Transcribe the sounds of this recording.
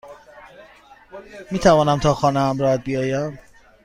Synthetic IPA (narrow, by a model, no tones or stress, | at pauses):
miːt̪ʰævɒːnæmt̪ʰɒːxɒːnehæmɾɒːhæd̪̚bijɒːjæm